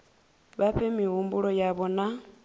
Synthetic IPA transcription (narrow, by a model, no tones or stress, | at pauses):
βaɸʰɛmiɦumbuɺɔjaβɔna